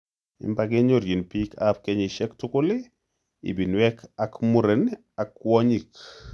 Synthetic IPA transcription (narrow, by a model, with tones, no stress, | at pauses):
ɪ̰˨mbaɡe˦ɲo˦ɾji˨npi˦kap̚kɛɲi˨ʃɛ˦ktʊkʊ˦lɪ˦ | ḭ˨bi˨nwɛkʰakmu˦ɾe˨n | a˨kwɔ˦ɲi˨k